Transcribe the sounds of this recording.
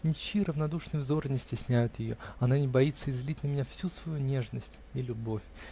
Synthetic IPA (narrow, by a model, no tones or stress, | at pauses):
nʲɪt͡ɕiɾəvnɐd̪uʂnɨjvzo̞rnʲɪsʲtʲɪsʲnʲæjʊt̪jɪjoɐnanʲɪbɐit̪sːəɪzlʲitʲnəmʲɪnʲafsʲusvɐjunʲe̞ʐnəsʲtʲ | ilʲʊbo̞fʲ